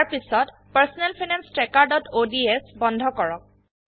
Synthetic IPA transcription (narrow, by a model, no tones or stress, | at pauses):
aɹpisɔt | paɹsɔnɛlpʰinɛnstɹɛkaɹdɔtʰodiesbɔndʱɔkɔɹɔk̚